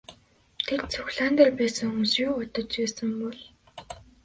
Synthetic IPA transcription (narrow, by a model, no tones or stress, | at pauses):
t̪ʰer̚t͡sʰɵxɮant̪ărpæːsə̆ŋɵmsjuːʊt̪ə̆t͡ɕpæːsə̆mpɔɮ